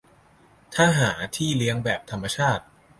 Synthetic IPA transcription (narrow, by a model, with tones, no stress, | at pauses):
t̪ʰaː˥˩ɦaː˩˦t̪ʰiː˥˩li˦˥əŋbɛː˨˩p̚t̪ʰa˧mːa˧t͡ɕʰaː˥˩t̪̚